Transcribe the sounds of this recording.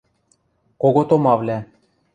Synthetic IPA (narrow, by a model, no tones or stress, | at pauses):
koɣot̪omɑvlʲæ